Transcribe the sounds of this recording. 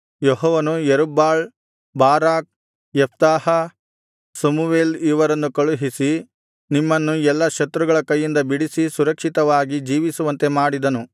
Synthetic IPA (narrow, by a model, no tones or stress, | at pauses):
jɔɦɔːʋɐnujeɾubːaːɭ | baːɾaːk̚ | jɛp̚t̪aːhɐ | sɐmuʋeːliːʋɐɾɐnːukɐɭuɦisi | nimːɐnːuɛlːɐʃɐt̪ɾuɡɐɭɐkɐjːind̪ɐbiɽisisuɾɐkʂit̪ɐʋaːɡid͡ʒiːʋisuʋɐnt̪e̞maːɽid̪ɐnu